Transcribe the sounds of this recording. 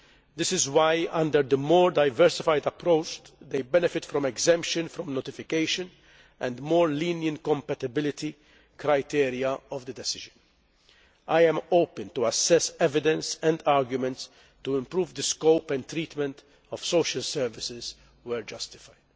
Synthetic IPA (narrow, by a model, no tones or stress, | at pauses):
d̪ɪsɪzwajʔɐ̃nd̪əɾd̪əmɔːɾd̪ɐjvɛɾsɪfajd̪ɐpːɾoʊt͡ʃd̪ejbɛnɪfɪt̪fɾɔ̃mɛɡzɛ̃mpʃɨ̃nfɾɔ̃mnot̪ɪfɪkeɪʃɨ̃n | ʔɛ̃nd̪mɔːɾliːnjə̃nkɔ̃mpɛt̪ɪbɪlɪt̪i | kɾajt̪iːɾiɐɔvd̪əd̪ɛsɪʒɨ̃n | ʔajɛ̃mowpɛ̃nt̪uɐsɛsɛvɪd̪ɛ̃nsɛ̃nd̪aːɾɡjʊmɛ̃nt̪s | t̪uɪ̃mpɾuːvd̪əskowpɛ̃nt̪ɾiːt̪mɛ̃nt̪ | ɔfsowʃɐlsɛɾvɪsɪz | wɛɾd͡ʒɐst̪ɪ̥faɪd̪̥